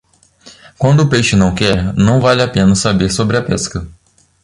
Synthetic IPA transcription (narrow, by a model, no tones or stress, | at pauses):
kwɐ̃nd̪ʊːpejʃɪnɐ̃w̃kɛɾnɐ̃w̃valɪapẽnɐsabeɾsobɾɪɐpɛskɐ